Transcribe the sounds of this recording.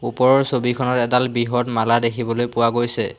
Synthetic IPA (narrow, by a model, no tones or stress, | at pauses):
upɔɹɔɹsobikʰɔnɔtɛdalbiɦɔtmaladekʰibɔlojpʊwaɡojsɛ